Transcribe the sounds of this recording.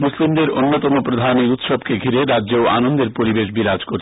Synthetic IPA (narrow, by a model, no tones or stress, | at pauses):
muslimd̪eɾonːot̪ɔmopɾod̪ʱaniut̪ʃɔb̚keɡʱiɾeɾadːʑeoa̰nond̪eɾpoɾibeʃbiɾad͡ʑkoɾ